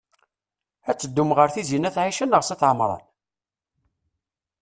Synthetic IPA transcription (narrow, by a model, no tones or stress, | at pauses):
æt͡sːəd̪ːumʁəɾθizinæθʕiʃənəʁsiθʕəmɾˤɑ̰n